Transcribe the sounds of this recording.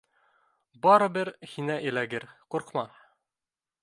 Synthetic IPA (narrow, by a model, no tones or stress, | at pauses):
bɒɾɤ̆bɘɾhinæʔilæɡɘɾquɾqmɑ